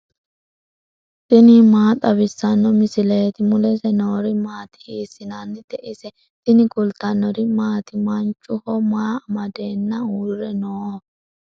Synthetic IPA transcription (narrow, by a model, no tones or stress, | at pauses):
t̪ʼɪnɪmaːt̪ʼɐβɪsːɐnːɔmɪsɪleːt̪ɪmʊlɛsɛnoːɾɪmaːt̪ɪ̥hiːsɪnanːɪd̪̥ɛʔɪsɛ | t̪ɪnɪkʼʊlt̪ɐnːɔɾɪmaːt̪ɪmɐnt͡ʃʼːʊhɔmaːɐmɐd̪eːnːɐuːrːɛnoː